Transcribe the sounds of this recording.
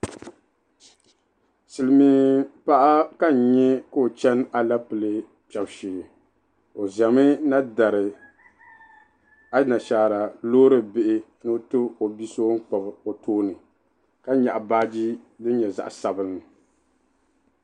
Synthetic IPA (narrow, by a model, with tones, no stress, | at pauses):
sɨ˨lɨ˨mi˦pa˦ʔa˦ka˦˨ɲɛ˦ka˦o˨t͡ʃɛ˦n˦a˨la˦pɨ˨lɨ˦ | pɛ˨bʃiː˨lɨ˨ | o˨za˨mɨ˦na˦da˨ɾɨ˨ | a˦na˨ʃaː˨ɾa˨loː˦ɾɨ˦bɪ˦ʔɪ˦ | nɨ˦tɨ˦o˨bi˦so˦ŋ̩˦k͡pa˨bo˨tʰoː˦nɨ˨ | ka˦ɲa˨ʔa˨baː˦d͡ʒi˦dɨ˦ɲɛ˨za̰˨ʔsa˨bɨ˦nːɨ˨